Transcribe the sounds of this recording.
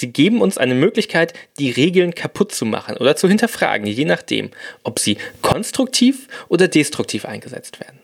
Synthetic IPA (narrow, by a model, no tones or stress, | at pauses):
z̥iːɡeːbm̩ʊnsʔa̰ɪnəmøːklɪçkʰaɪtd̥iːʁeːɡl̩nkʰapʰʊtt͡suma̰χən̩ʔo̰ːdɐt͡suhɪntɐfʁ̥a̰ːɡŋ̩jeːnaχd̥ḛːmʔɔpz̥iːkʰɔnstʁ̥ʊk̚tʰiːfʔoːdɐdeːstʁ̥ʊk̚tʰiːfʔa̰ɪnɡəzɛ̰t͡stv̥ḛːɐdn̩